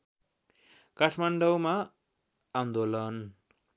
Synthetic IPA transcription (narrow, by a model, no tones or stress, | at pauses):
kaʈʰmaɳɖʌwma | and̪olʌn